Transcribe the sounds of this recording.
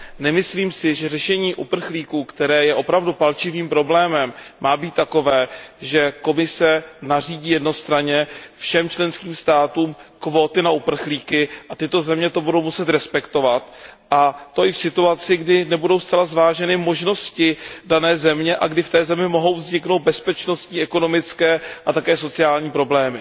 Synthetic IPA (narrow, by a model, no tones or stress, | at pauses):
nɛmɪsliːmsɪʒɛrɛʃɛɲiːʔupr̩xliːkuːkt̪ɛɾɛːjɛʔo̞pɾavdupalt͡ʃɪviːmpɾo̞blɛːmɛmːaːbiːt̪ːako̞vɛːʒɛko̞mɪsɛnar̝iːɟiːjɛdno̞st̪ɾaɲɛfʃɛmt͡ʃlɛnskiːmst̪aːt̪uːmkvo̞ːt̪ɪnaʔupr̩xliːkɪʔat̪ɪt̪o̞zɛmɲɛt̪o̞budo̞wmusɛt̪ɾɛspɛkt̪o̞vat̪ʔat̪o̞ʔɪfsɪt̪uat͡sɪɡdɪnɛbudo̞wst̪t͡sɛlazvaːʒɛnɪmo̞ʒno̞scɪdanɛːzɛmɲɛʔaɡdɪft̪ɛːzɛmɪmo̞ɦo̞wvzɲɪkno̞wd̪̚bɛspɛt͡ʃno̞st̪ɲiːɛko̞no̞mɪt͡skɛːʔat̪akɛːso̞t͡sɪaːlɲiːpɾo̞blɛːmɪ